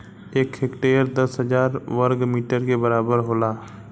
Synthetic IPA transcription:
eːkhɪkʈeːɾd̪əsɦəd͡ʒaːɾʋəɾɡmiːʈəɾkebɐɾaːbəɾɦoːlaː

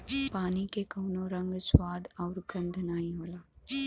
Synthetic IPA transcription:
paːnikekɐʊnõɾə̃ŋɡswaːd̪ɔːɾɡɐ̃nd̪ʱnaːĩɦoːlaː

